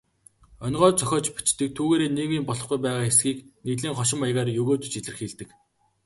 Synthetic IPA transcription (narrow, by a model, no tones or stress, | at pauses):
ɔnɢɔːt͡sœxʲɔːt͡ɕpi̥t͡ɕt̪ɘ̆k̚t̪ʰuːɣeːɾeːniːwiːmpɔɮɞ̆χɡujpæːʁaːxesɡiːkniːt̪ɮiːŋχɔʃ̬ɪ̆majʁaːrjɵɣoːt̪t͡ɕiɮɘ̆rxiːɮt̪ɘ̆k